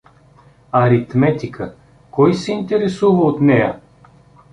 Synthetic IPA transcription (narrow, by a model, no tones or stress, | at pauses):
ɐɾit̪mɛt̪ikʰə | kɔjsɛint̪ɛɾɛsuvəot̪nɛjə̰